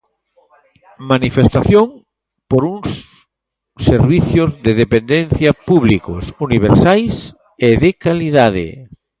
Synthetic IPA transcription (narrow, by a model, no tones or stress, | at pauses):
manifest̪aθjoŋ | poɾuŋs | seɾβiθjozðeðepend̪enθjapuβliko̰suniβ̞eɾsajs | eðekaliðaðɪ̰